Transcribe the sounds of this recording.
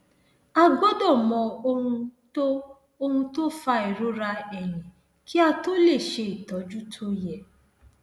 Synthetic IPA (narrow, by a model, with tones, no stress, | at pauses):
a˧ɡo˦dɔ˦˨mɔ̃˨o˧hũ˧to˦ | o˧hũ˧to˦fa˧i˨ɾo˨˦ɾa˧ɛ˨nĩ˨ | ki˦a˧to˦le˦˨ʃe˧i˨tɔ˨˦d͡ʒu˦tʰo˦jɛ˦˨